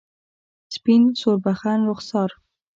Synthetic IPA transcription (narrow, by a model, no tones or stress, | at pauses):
spinsoɾbaxanɾʊxsɑɾ